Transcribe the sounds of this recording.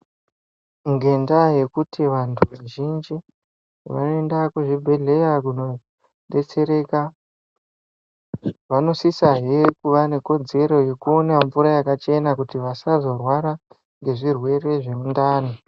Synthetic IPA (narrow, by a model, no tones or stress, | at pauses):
ŋɡe̞ndaje̞kutʰiʋantʰuʋaʒind͡ʒi | ʋa̰noendakuʐibʱe̞ɮe̞jakuno̞ | ɗe̞t͡se̞ɾe̞ka | ʋano̞sisaɦekuʋane̞ko̞d͡ze̞ɾo̞je̞kuonaɱvuɾajakat͡ʃe̞nakutiʋasazo̞rwaɾa | ŋɡe̞ʐirwe̞re̞ʐe̞mundaːno